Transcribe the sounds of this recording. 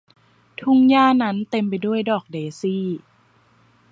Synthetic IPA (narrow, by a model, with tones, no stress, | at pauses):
t̪ʰu˦˧˥ŋjaː˥˩na˦˥nt̪e˧mpa˧jdu˥˩əjdɔː˨˩k̚deː˧siː˥˩